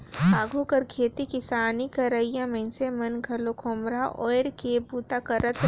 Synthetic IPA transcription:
aːɡʱokɐɾkʰeːt̪ikɪsaːnikɐɾəijãmɐ̃nsemɐnɡʱɐlokʰoːmɾaʔɔ̰ːɪɽkebuːt̪akɐɾət̪

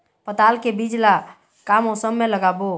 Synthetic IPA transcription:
pət̪alkebid͡ʒla | kamosəmːeləɡabo

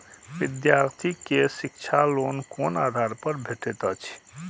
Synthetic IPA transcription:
ʋid̪jaɾt̪ʰikesik̚t͡ʃʰalonkonad̪ʱaɾpəɾbʱeʈet̪ət͡ʃʰ

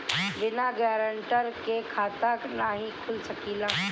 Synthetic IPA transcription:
ʋɪnaɡɛːɾəɳʈəɾkekʰaːt̪aknaɦĩkʰʊlsɐkiːlaː

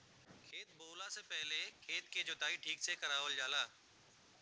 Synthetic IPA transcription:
kʰeːt̪̚boːlasepɛɦlekʰeːt̪ked͡ʑʊt̪aːiʈʰiːksekɐɾaːʋəld͡ʒaːlaː

